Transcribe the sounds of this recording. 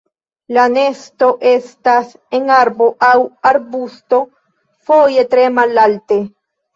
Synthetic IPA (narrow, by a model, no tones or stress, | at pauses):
lane̞sto̞ʔe̞stas | enaɾbo̞ʔawaɾbusto̞ | foje̞tɾe̞malalte